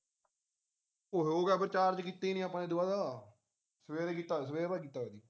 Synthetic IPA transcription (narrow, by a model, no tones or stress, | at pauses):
oɦoːɡɛːpəɾt͡ʃaːɾd͡ʒkiːt̪ːeːnĩːaːpːãːneːd̪ʊaːd̪aː | səʋeːɾeːkiːt̪ːaːs̬əʋeːɾbaːk̬iːt̪ːaːeːd̪iː